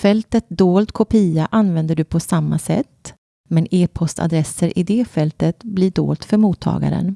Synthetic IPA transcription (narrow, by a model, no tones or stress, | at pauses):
fɛlt̪ət̪̚d̪oːlt̪kʰʊpʰiːaʔanvɛnd̪əɖɵpʰɔsamːasɛ̰t̪ː | mɛneːpʰɔst̪ʰa̰d̪ɾɛsːəɾʔɪd̪ɛːfɛlt̪ət̪blɪɖo̰ːlt̪fœɾmuːt̪ʰːɑ̰ːɡa̰ɾə̰n